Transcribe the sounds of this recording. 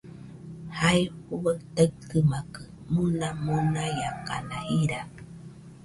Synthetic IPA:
hajuβət̪ət̪ɨmakɨ | munamunajaka̰nahiɾa

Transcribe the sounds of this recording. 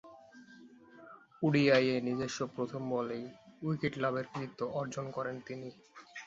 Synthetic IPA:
uɖiajenid͡ʑeʃːopɾot̪ʰombɔlejujkiʈlabeɾkɾiit̪ːoʔɔɾd͡ʑonkɔɾent̪ini

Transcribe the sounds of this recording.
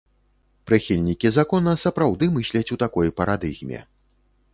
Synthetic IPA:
pɾɨxʲilʲnʲikʲizakɔnɐsɐpɾawd̪ɨmɨsʲlʲɐt͡sʲut̪akɔjpɐɾad̪ɨɣmʲɛ̰

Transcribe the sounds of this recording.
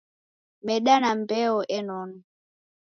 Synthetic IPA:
mɛɗanambɛɔʔɛnɔnɔ

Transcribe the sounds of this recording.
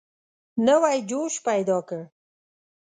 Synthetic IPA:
nawajd͡ʒoʃpajd̪ɑkə

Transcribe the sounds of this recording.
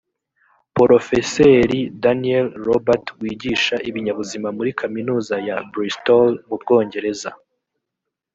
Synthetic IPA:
poɾo̞fe̞seɾidanielɾobatwiːɟiʃaʔiβiɲaβuzimamuɾikʰaminuːzajabɾistolmub̚ɡo̞ːɲɟe̞ɾeza̰

